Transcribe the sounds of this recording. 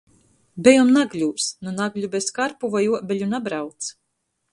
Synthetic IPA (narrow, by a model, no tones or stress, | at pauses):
bʲɛjɔmnaɡlʲuːsnunaɡlʲubeskaɾpuvajuɔbʲeʎʲunabɾawt̪s